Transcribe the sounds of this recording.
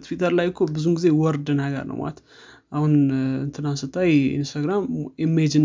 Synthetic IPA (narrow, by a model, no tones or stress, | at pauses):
t̪fit̪ʰəɾlajkʰːobɨzumɡize̞wɔɾd̪ɨnaɡə̰ɾnʔə̰wa̰t̪ | ʔahunɨnt̪ʰɨnasɨt̪ʰːajḭnst̪ʰaɡɾamɛmːed͡ʒɨn